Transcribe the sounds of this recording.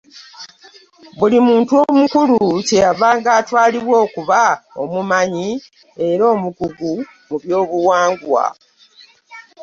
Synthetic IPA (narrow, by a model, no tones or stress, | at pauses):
bulimuːntuo̞mukuluce̞jaβaːŋɡaːtwaːliβwo̞ːkuβao̰mumaɲi | e̞ɾo̞ːmukuɡu | muβjo̞ːβuwaːŋɡwa̰